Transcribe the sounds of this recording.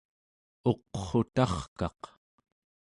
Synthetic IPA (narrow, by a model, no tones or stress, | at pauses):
o̞qχo̞t̪ɑχkɑ̰q